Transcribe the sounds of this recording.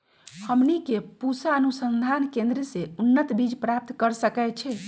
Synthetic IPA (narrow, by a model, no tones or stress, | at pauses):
həmnikepusaənusənd̪ʱankẽnd̪ɾəseunːət̪bid͡ʒpɾap̚t̪kəɾsəkɛt͡ʃʰɛ